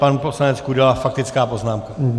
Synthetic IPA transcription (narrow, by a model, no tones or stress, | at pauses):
panupo̞slanɛt͡skuuɟɛlalafak̚t̪ɪt͡skaːpo̞znaːmka